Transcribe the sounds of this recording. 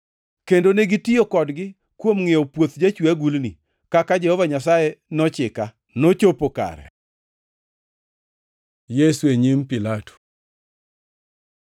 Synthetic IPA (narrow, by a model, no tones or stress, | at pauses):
kendoneɡɪtiokɔdɡɪ | kwomŋiopwot̪d͡ʒat͡ʃwiaɡulni | kakad͡ʒɛhɔvaɲasajenɔt͡ʃɪka | not͡ʃopoka̰ɾɛ̰ | jesueɲimpilato̥